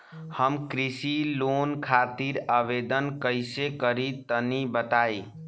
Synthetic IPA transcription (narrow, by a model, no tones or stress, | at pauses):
həmkɾisilonkʰat̪iɾəʋed̪ənkəɪsekəɾit̪ənibət̪ai